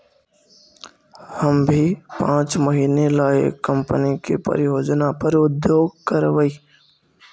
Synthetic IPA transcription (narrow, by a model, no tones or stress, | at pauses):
həmbʱipãːt͡ʃməɦiːnela̰ːkəmpənikḭpə̰ɾɪjoːd͡ʒnapəɾʊd̪joːɡ̚kəɾʋəiː